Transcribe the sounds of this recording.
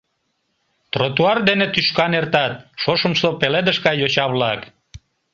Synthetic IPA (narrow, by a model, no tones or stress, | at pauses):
t̪ɾot̪uɑrd̪enet̪yʃkɑnert̪ɑt̪̚ʃoʃəmslopeled̪əʃkɑjjot͡ɕɑβlɑk